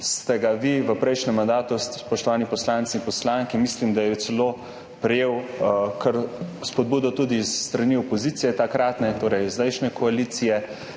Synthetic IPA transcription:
st̪ɛɡaʋiʋəpɾɛjʃnɛmːand̪aːt̪usspɔʃt̪ɔʋaːnipɔslaːntsiimpɔslaŋkimislimd̪ajɛsɛlo | pɾɛjeːwkʰəɾspɔd̪̚buːd̪ɔt̪ud̪isːt̪ɾaniɔpɔziːt̪sijɛt̪akɾat̪nɛt̪oːɾɛjzd̪ɛjʃnɛkɔaliːt̪sijɛ

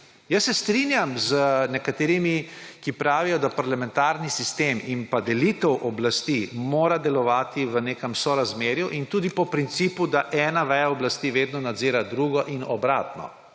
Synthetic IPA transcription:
jəsːɛst̪ɾinjamzənɛkat̪eːɾimikipɾaːʋijɔd̪apaɾlamɛ̃nt̪aːɾnisist̪eːminpad̪ɛlit̪ɛwʔɔblast̪imoːɾad̪ɛlɔʋaːt̪iʋəneːkəmsɔɾazmeːɾjuʔint̪uːd̪ipɔpɾint̪siːpud̪aʔɛːnaʋɛjaɔblast̪iːʋeːd̪nɔnad̪ziːɾad̪ɾuːɡɔʔinɔbɾa̰ːt̪nɔ̰

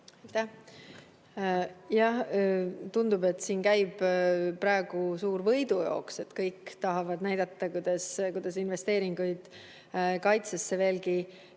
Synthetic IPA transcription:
ɑjt̪æh | jɑht̪und̪ube̞t̪ːˑsiːnkæjb̥pːɾɑe̞ɡ̥usuːɾvɤjd̪ujo̰ːkse̞t̪kɤjkːt̪ɑɦɑvɑd̪næjd̪̥ɑt̪ːɑkujd̪ɑskujd̪̥ɑs̬inve̞st̪e̞ːɾiŋɡ̥ujd̪̥ | kɑjt̪sesːe̞ve̞ːlki

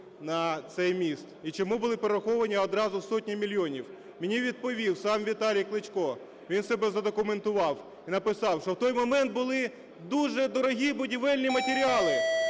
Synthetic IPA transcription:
nɐt̪sɛjmʲist̪it͡ʃɔmubʊlˠɪpeɾɾɐxɔʋɐnʲiɔd̪ɾɑzʊsɔtʲnʲimʲilʲjɔnʲiw | mʲɪnʲiʋʲid̪̚pɔʋʲiwsɑmʋʲit̪ɑlʲijklˠɪt͡ʃʲkɔ | ʋʲinsɛbɛzɐd̪ɔkʊment̪ʊʋɑw | inɐpɪsɑwʃɔwt̪ɔjmɔmɛnt̪̚bʊlˠɪ | d̪uʒɛd̪ɔɾɔɦʲibʊdʲiʋɛlʲnʲimɐtʲeɾʲiɑlˠɪ

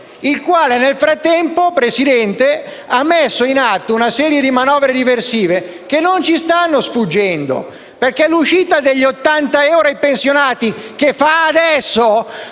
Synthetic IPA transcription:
ilkwaːlenelfɾat̪ːɛmpopɾesid̪ɛnt̪e | amːesːoinat̪ːounasɛːɾjed̪imanɔːvɾed̪iversiːve | kenːont͡ʃist̪anːosfud͡ʒːɛnd̪o̰ | perkeluʃiːt̪ad̪eʎːot̪ːant̪aɛwɾajpensjonaːt̪ik̟efːaːd̪ɛsːo

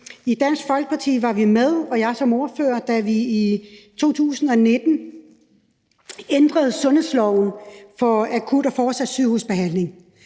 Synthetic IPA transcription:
id̥æn̰sɡ̥fɒ̽lɡ̥ə̥pʰɑ̈t͡sʰḭːʋɑ̈ʋimeð̞ˠɒ̽jɑ̈ɪsɒ̽mo̝ɐføɐd̥æʋiːt͡sʰo̝̰ːt͡sʰṵːsn̩ɒ̽ne̝d̥n̩ | end̥ʁɐð̞̩ˠsɔ̽nhe̝ðˠslɒʊn̩fɒ̽ækʰud̥ɒfɒːsæd̥syð̰hṵsb̥e̝ɦæn̰le̝ŋ

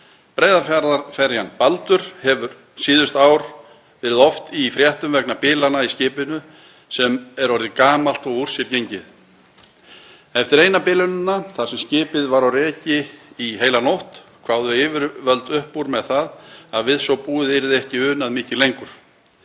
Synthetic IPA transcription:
pɾeːjðafaɾðafɛɾjanpalt̪ʏɾ̥hɛvʏɾ | siːðʏst̪aːwɾ̥ | vɛːɾɪðɔft̪ifɾjɛht̪ʏmvɛknapɪːlanaiscɪːpɪnʏ | sɛmɛɾɔɾðɪkaːmal̥t̪ɔɣur̥sjɪɾcejɲcɪð | ɛft̪ɪɾejnapɪːlɪnʏnːaθaðsɛmscɪːpɪðvaɾawrɛːcɪiɦeːjlanowht̪kʰvaːwðʏɪːvɾvœlt̪ʏhpːuɾmɛðθaðaðvɪðsɔwpuːɪðɛɾɪðɛhcɪʏːnaðmɪːcɪlejŋkʏɾ̥

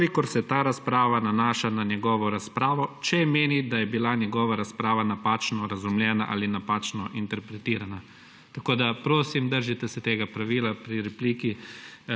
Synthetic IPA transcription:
klikɔɾsɛt̪aːɾaspɾaːʋananaːʃananjɛɡɔːʋɔɾaspɾaːʋɔt͡ʃɛmeːnid̪ajɛbilanjɛɡɔːʋaɾaspɾaːʋanapaːt͡ʃnɔɾazumljɛːnaʔa̰ːlinapaːt͡ʃnɔʔint̪ɛɾpɾɛt̪iːɾana | t̪akoːd̪apɾoːsimd̪əɾʒit̪ɛsɛt̪eːɡapɾaʋiːlapɾiɾɛpliːki

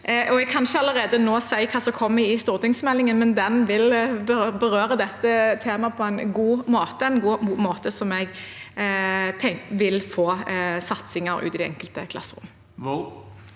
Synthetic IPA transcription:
ʔɔɛɡ̚kʰɑnʃəɑləʁeːd̪ənoːsæɪkʰɑːsɔkʰɔmːəɪst̪uːʁt̪ɪŋsmɛlːɪŋənmɛnd̪ɛnʋɪlbəbəɾøːɾəd̪ɛt̪ːət̪ʰeːmɑpʰɔæɪnɡuːmoːt̪əɛɪnɡuːuːmoːt̪əsɔmɛɡ | t̪ʰɛŋʋɪlfoːsɑt̪sɪŋəɾʉ̰ːɪːd̪ɛɛ̰ŋkəlt̪əkʰlɑ̰sːʁʊ̰m

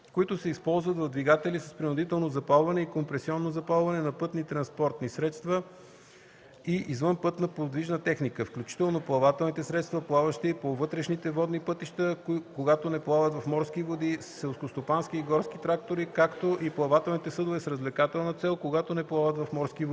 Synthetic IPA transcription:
koit̪ʊsɛispɔlˠzvət̪vɐvd̪viɡat̪ɛlisɐ̥spɾinʊd̪it̪ɛlˠnozɐpalˠvɐnɛikompɾɛsiɔnːozɐpalˠvɐnɛnɐpɤt̪nit̪ɾɐnspɔɾt̪nisɾɛt̪st̪və | iʔizvɤnpɤt̪nɐpod̪viʒnət̪ɛxnikəfklʲut͡ʃi̥t̪ɛlˠnoplˠɐvat̪ɛlˠnit̪ɛsɾɛt̪st̪vɐplˠavəʃt̪iipovɤt̪ɾɛʃnit̪ɛvɔd̪nipɤt̪iʃt̪əkoɡat̪onɛplˠavət̪vɐfmɔɾsk̟ivod̪issɛlˠskost̪opansk̟iːɡɔɾsk̟it̪ɾak̚t̪oɾikakt̪oʔiplˠɐvat̪ɛlˠnit̪ɛsɤd̪ovɛsɾəzvlɛkat̪ɛlˠnət̪sɛlˠkoɡat̪onɛplˠavət̪vɐfmɔɾsk̟ivoi

